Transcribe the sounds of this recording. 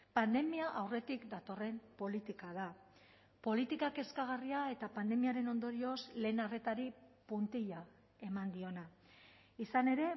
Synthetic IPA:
pand̪e̞miaʔawre̞t̪ikd̪at̪o̞re̞mpo̞lit̪ikað̞a | po̞lit̪ikake̞skaɣ̞ariae̞t̪apand̪e̞miaɾe̞no̞nd̪o̞ɾio̞sle̞ːnare̞t̪aɾipunt̪iʎa | e̞mand̪io̞na | isane̞ɾe̞

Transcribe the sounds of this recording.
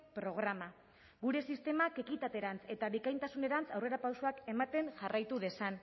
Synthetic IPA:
pɾo̞ɣ̞ɾama | ɣuɾe̞sist̪e̞make̞kit̪at̪e̞ɾant͡se̞t̪aβikajnt̪asune̞ɾant͡sawre̞ɾapawsoake̞mat̪e̞ŋʝarʔajt̪uðe̞san

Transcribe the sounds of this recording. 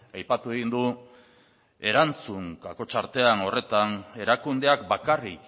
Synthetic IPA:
ajpat̪ue̞ɣind̪u | e̞ɾant͡suŋkako̞t͡ʃaɾt̪e̞ano̞re̞t̪ane̞ɾakund̪e̞ak̚bakarik

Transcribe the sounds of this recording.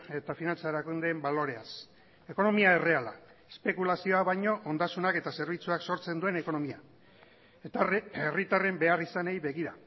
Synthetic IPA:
e̞t̪afinant͡saeɾakund̪embalo̞ɾe̞as | e̞ko̞no̞miae̞re̞ala | espe̞kulasio̞aβajɲo̞ʔond̪asunake̞t̪ase̞ɾβit͡suakso̞ɾt͡se̞nd̪ue̞ne̞ko̞no̞mia | erit̪are̞mbe̞arisanejβe̞ɣiɾa

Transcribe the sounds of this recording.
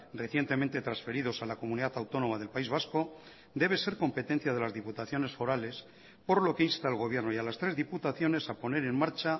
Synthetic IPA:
re̞θje̞nt̪e̞mẽnt̪et̪ɾansfe̞ɾiðo̞salako̞mũniðat̪awt̪o̞nõ̞mað̞e̞lpaizβ̞asko̞ | d̪e̞β̞e̞se̞ɾko̞mpe̞t̪e̞n̟θjað̞e̞lazðiput̪aθjo̞ne̞sfo̞ɾale̞s | po̞ɾlo̞keinst̪aelɣo̞β̞je̞ɾnoialast̪ɾe̞zðiput̪aθjo̞ne̞sapo̞ne̞ɾe̞nmaɾt͡ʃa

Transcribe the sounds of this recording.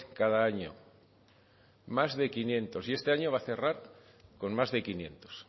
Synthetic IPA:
kaðaaɲo̰ | mazðe̞kinjẽ̞nt̪o̞sie̞st̪e̞aɲo̞β̞aθe̞raɾ | ko̞nmazðe̞kinjẽ̞̰nt̪o̥s

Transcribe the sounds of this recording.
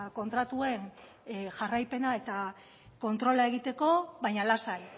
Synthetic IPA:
ko̞nt̪ɾat̪ue̞n | ʝarajpe̞nae̞t̪a | ko̞nt̪ɾo̞lae̞ɣ̞it̪e̞ko̞βajɲalasaj

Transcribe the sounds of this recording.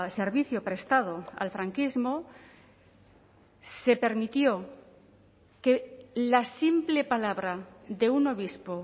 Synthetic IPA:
se̞ɾβiθjopɾest̪að̞oa̰lfɾaŋkizmo | se̞pe̞ɾmit̪jo | ke̞lasimple̞palaβɾaðe̞uno̞β̞ispo

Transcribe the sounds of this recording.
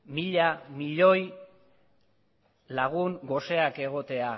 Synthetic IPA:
miʎamiʎo̞j | laɣ̞uŋɡo̞se̞ake̞ɣo̞t̪e̞a

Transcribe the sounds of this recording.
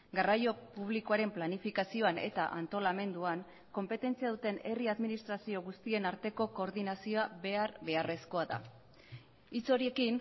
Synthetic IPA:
ɡarajo̞puβ̞likoaɾe̞mplanifikasio̞ane̞̰t̪aʔant̪o̞lame̞nd̪uaŋ | ko̞mpe̞t̪e̞nt͡siaðut̪e̞ne̞riaðminist̪ɾasio̞ɣust̪ie̞naɾt̪e̞ko̞ko̞ːɾðinasio̞abe̞aɾβe̞are̞sko̞aða̰ | it͡so̞ɾie̞kin

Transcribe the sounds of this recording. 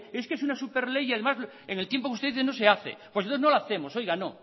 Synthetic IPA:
eskeesunasupeɾlejaðemaz | eŋelt̪jempokust̪eðiθenose̞aθḛpwsnoθenolaθemo̞so̞jɣano

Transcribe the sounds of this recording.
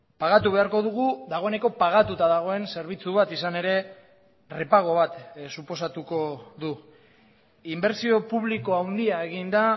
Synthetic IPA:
paɣ̞at̪uβe̞aɾko̞ðuɣuðaɣ̞o̞ene̞ko̞paɣ̞at̪ut̪aðaɣ̞o̞e̞nse̞ɾβ̞it͡suβ̞at̪isane̞ɾe̞ | re̞paɣ̞o̞β̞at̪supo̞sat̪uko̞ðu | imbe̞ɾsio̞puβliko̞awnd̪iae̞ɣind̪a

